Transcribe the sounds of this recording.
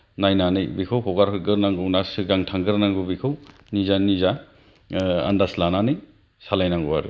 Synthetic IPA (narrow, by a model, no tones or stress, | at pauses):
najnanɯjbikʰawkʰɔwɡaɾkʰɯɡɯɾnaŋɡɯwnasɯɡaŋtʰaŋɡɯɾnaŋɡɯbikʰaw | nizaniza | a̰ndaslananɯj | salajnaŋɡuwaɾɯ̰